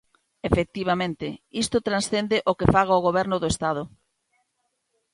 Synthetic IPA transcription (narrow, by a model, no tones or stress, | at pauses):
efek̚t̪iβ̞amẽnt̪ɪist̪ʊt̪ɾansθend̪ɪʔokefaɣ̞aoɣoβɛɾnʊðoest̪að̞ʊ